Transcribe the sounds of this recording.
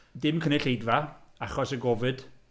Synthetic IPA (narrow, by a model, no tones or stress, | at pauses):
dɪmkʰənɛɬejdvaaχɔsəɡɔvɨd̥